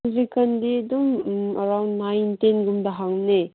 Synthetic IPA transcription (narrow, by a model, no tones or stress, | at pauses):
uzikɐndiɐdumɐɾawndːajntenɡumdɐɦaŋne